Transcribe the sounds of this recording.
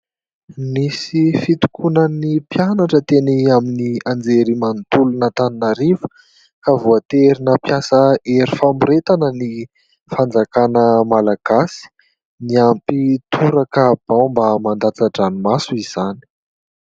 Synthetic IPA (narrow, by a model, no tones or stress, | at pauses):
misifit̪u̥kunənipjanaʈ͡ʂət̪eniaminiand͡zeɾimant̪ulunət̪aninaɾivə̥ | kavuat̪eɾinəpjasəeɾifamuɾet̪anəni | fand͡zakanəmalaɡ̥asi̥ | niampit̪ʰuɾakab̥ãmbamand̪at͡saʈ͡ʂanumasuiz̥ani̥